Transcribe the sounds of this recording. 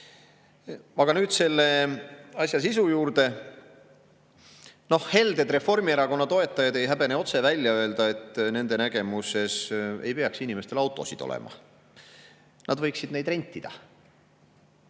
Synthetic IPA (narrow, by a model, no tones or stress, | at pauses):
ɑɡ̥ɑnyːd̪̥se̞lːe̞ɑsʲjɑs̬isujuːɾd̪e̞ | no̞hhe̞ld̪e̞d̪re̞fːo̞rmieɾɑko̞nːɑt̪o̞e̞t̪ːˑɑjɑd̪e̞jɦæbe̞neo̞t̪se̞vælʲjɑø̞e̞ld̪ɑe̞t̪ːˑne̞nd̪̥e̞næɡ̥e̞muse̞se̞̰jpe̞ɑksinʲime̞st̪e̞lɑwt̪ːˑo̞sid̪̥o̞̰lḛmɑ̰ | nʔɑd̪vɤjksid̪ne̞jd̪̥re̞nʲt̪ʲːˑid̪̥ɑ